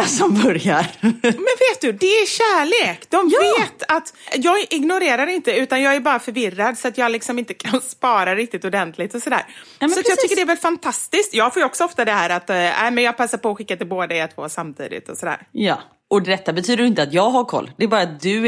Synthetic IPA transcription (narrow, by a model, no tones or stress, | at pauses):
sɔmbœɾjaɾmɛnveːt̪̚d̪ɵd̪ɛæɕæːɭeːkd̪ɔmveːt̪at̪jɑːɡʔɪɡnʊɾeːɾaɾɪnt̪əʉ̟ːt̪anjɑːɡæɾbɑːɾafœɾvɪrad̪sɔat̪jɑːɡlɪksɔmɪnt̪ə̥kʰanspɑːɾaɾɪk̚t̪ɪt̪ɔd̪ɛnt̪ʰlɪɡt̪ɔsɔd̪æ̰ːɾmsɔat̪jɑɡ̪ʏkːəɖɛvɛlfant̪ʰast̪ɪsk̚t̪jɑːɡfoːjɔksɔɔft̪ad̪ɛɦæːɾat̪ːɛ̰ɪmɛnjɑːɡ̚pʰasːaɾpɔːɧɪkːat̪ɪlboːd̪aɛt̪ʰvo̰ːsamt̪ʰḭːd̪ɪ̰t̪ɔsɔd̪æ̰ːɾjɑ̰ | ɔd̪ɛt̪ːabɛt̪ʰyːd̪əɾɪnt̪əat̪jɑːɡɦaɾkʰɔ̰lːd̪ɛɛɾbɑːɾat̪̚d̪ɵ